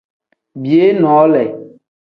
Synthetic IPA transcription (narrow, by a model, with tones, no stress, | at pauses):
bi˨e˦nɔ̃˨˦lɛ˨